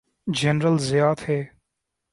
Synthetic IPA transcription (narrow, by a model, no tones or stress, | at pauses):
d͡ʒɛnɾəlzɪjaːt̪heː